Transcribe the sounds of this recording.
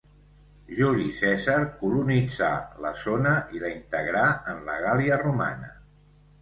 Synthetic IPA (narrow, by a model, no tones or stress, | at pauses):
ʒuɾisɛzəɾkulunid͡za̰lə̰zonəʔiləint̪əɣɾaənlə̰ɣaliəruma̰nə̰